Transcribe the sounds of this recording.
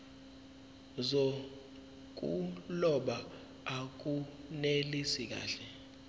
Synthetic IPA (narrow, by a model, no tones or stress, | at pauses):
zo | k̬ʼulɔɓaː | k̬ʼunelisik̬a̰ːɬɛ